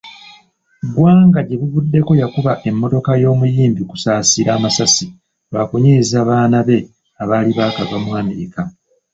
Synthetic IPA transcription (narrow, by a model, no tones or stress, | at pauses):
ɡwaːŋɡaɟe̞βuvudːe̞ko̞jakuβaʔe̞mːo̞to̞kajo̞ːmujiːmbiku̥saːsiɾaːmasasi | βakoɲezaːβaːnaβe̞ | aβaːliβaːkaɡamwaːmika